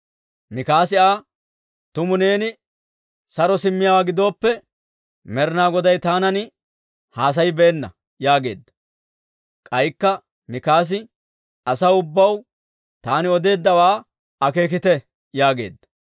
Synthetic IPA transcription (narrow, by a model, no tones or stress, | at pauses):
mɪkaːsɪaː | t̪ʊmʊne̞ːnɪ | sɐɾɔsɪmːɪjaːɡɪd̪o̞ːpːɛ | mɛɾɪnaːɡɔd̪ɐjt̪aːnɐnɪ | haːs̬ɐjbɛːnːɐ̰ | jaːɡe̞ːd̪ːɐ̥ | kʼɐjkːɐ | mɪkaːs̬ɪ | ɐsɐwʊbːɐw | t̪aːnɪɔd̪e̞ːd̪ːɐwaː | ɐke̞ːk̬ɪt̪ɛ | jaːɡe̞ːd̪ːɐ̥